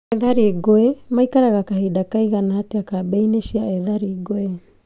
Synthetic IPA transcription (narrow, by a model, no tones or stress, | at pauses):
eðaɾiɡoemajkaɾaɡakahidakajɡanaateakabejnesiaeðaɾiɡoe